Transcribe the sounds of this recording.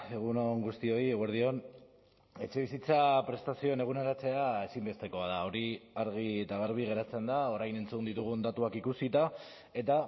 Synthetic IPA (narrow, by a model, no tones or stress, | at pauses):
e̞ɣ̞unoŋɡust̪io̞ieɣweɾðio̞n | e̞t͡ʃe̞β̞isit͡sapɾe̞st̪asio̞ene̞ɣ̞uneɾat͡se̞ae̞simbe̞st̪e̞ko̞að̞ao̞ɾiaɾɣ̞iet̪aɣaɾβ̞iɣe̞ɾat͡se̞nd̪ao̞ɾajne̞nt͡sund̪it̪uɣ̞und̪at̪uakikusit̪a | e̞t̪a